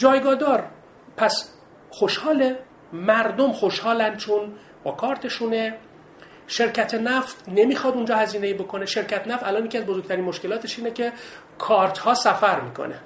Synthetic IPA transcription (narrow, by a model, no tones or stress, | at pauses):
d͡ʒɒːjɡɒːd̪ɒːɾ | pʰæs | xoʃhɒːle | mæɾd̪omxoʃhɒːlænd̪t͡ʃʰon | b̥ɒːkʰɒːɾt̪ʰe̞ʃuːne̞ | ʃe̞ɾcʰæt̪ʰenæft̪nemiːxɒːd̪und͡ʒɒːhæziːneiːbo̞kʰoneʃe̞ɾcæt̪ʰenæft̪ælɒːnjecʰiæzbozoɡ̚t̪æɾiːnmoʃke̞lɒːt̪ʰe̞ʃiːnecʰe̞ | kʰɒːɾt̪hɒːsæfæɾmiːkʰo̰nḛ